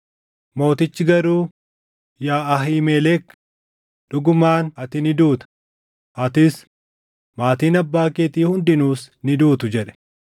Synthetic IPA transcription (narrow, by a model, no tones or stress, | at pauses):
mo̞ːt̪ɪt͡ʃːɪɡɐɾuː | jaːɐɦiːmeːlɛːk | ᶑʊɡʊmaːnɐt̪ɪnɪd̪uːt̪ɐ̥ | ɐt̪ɪs | maːt̪iːnɐbːaːkeːt̪iːhʊnd̪ɪnuːsnɪd̪uːt̪ʊd͡ʒɛᶑɛ̥